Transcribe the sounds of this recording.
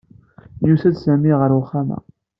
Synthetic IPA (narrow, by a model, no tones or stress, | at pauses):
juθæd̪sæmiʁəɾʊχamæ̰